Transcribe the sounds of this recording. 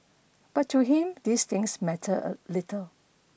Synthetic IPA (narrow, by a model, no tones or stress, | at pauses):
b̥atʰːuɦĩmd̪ist̪ɪ̃ŋsmɛtʰəə̰litəl